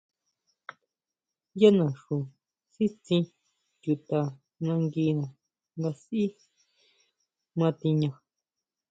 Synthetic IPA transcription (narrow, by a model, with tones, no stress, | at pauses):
ja˦nã˨ʂu˨ | si˦t͡sĩ˧ | ju˨t̪a˨ | nã˧ŋɡi˧nã˨ | nɡ̪a˧si˦ | mã˧t̪i˧ɲã˧